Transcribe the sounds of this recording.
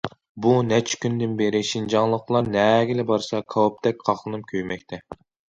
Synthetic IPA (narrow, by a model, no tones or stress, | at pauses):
bunɛt͡ʃʰkʲynd̪ɪnbeɾɪʃind͡ʒɑŋlˠəqlˠɑɾnɛɡʲilɪbɑɾsɑkʰɑwup̚t̪ʰɛk̚ʲqʰɑχlˠɨnɨmkʲʰøjmɛkʲt̪ʰɛ